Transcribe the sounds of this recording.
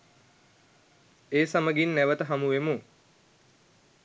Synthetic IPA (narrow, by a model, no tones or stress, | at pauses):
eːsaməɡinːæʋət̪əɦamuʋemu